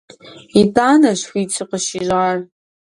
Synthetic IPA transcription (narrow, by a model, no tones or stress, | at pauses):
itʼanaʃwit͡sʰɨqʼəʃiʒʷar